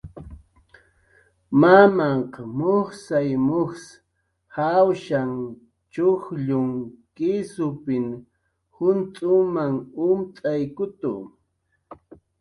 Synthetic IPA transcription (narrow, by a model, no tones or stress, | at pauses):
mamaɴqɑmoχsajmoχs | hawʃaŋ | t͡ʃʊχʎʊŋkɪsʊpɪŋ | hʊnt̪ʼʊmaŋʊmt̪ʼajkʊt̪ʊ̰